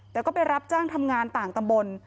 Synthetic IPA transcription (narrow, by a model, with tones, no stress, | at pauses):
t̪ɛː˨˩kɔː˥˩pa˧jɾa˦˥p̚t͡ɕaː˥˩ŋt̪ʰa˧mŋaː˧nt̪aː˨˩ŋt̪a˧mbo˧n